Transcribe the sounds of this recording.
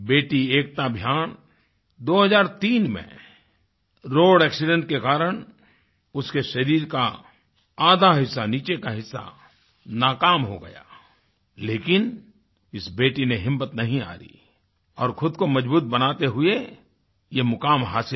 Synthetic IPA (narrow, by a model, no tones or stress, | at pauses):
beːʈieːk̚t̪abʱjaːn | d̪oːɦɐzaːɾt̪iːnmḛ̃ | ɾoːɽɛːksɪɖə̃ɳʈ̚kekaːɾəɽ̃ | ʊskeʃɐɾiːɾka̰ | aːd̪ʱaɦɪsːaniːt͡ʃekaɦɪsːa̰ | naːkaːmɦo̰ɡɐ̰ja̰ː | leːkɪn | ɪsbeːʈineɦɪmːət̪nɐɦĩa̰ːɾḭ | ɔːɾkʰʊd̪̚komɐd͡ʒbuːt̪̚bɐnaːt̪eɦʊe | jemʊkaːmɦaːsɪ